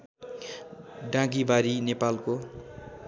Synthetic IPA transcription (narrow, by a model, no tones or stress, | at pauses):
ɖãɡibaɾinepalko